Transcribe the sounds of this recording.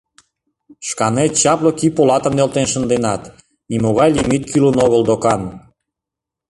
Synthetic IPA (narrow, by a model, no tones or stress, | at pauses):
ʃkɑnet̪̚t͡ɕɑplokipolɑt̪ə̆mnelt̪enʃə̆nd̪enɑt̪ | nimoɣɑjlimit̪̚kʰylonoɣəld̪okɑn